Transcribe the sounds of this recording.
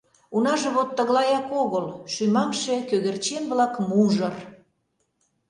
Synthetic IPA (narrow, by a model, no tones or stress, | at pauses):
unɑʒĕβot̪ːəɣlɑjɑkoɣəlʃymɑmʃekøɣert͡ɕenβlɑkmuʒər